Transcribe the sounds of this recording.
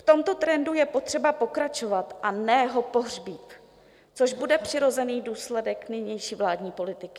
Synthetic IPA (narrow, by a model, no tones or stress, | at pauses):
ft̪o̞mt̪o̞t̪ɾɛndujɛpo̞t̪r̝̥ɛbapo̞kɾat͡ʃo̞vat̪ʔanɛɦo̞po̞ɦrbiːt̪ | t͡so̞ʒbudɛpr̥ɪɾo̞zɛniːduːslɛdɛknɪɲɛjʃiːvlaːdɲiːpo̞lɪt̪ɪkɪ